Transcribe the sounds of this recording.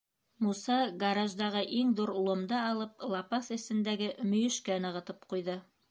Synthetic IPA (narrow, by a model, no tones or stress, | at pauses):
musɑɡɐɾaʒd̪ɑʁɤʔiŋðuɾulˠŏmd̪ɑɑlˠɤplˠɑpɑθɘ̆sɘ̆nd̪æɡɘmɵ̆jɵ̆ʃkænɤ̆ʁɤ̆t̪ɤpqujðɤ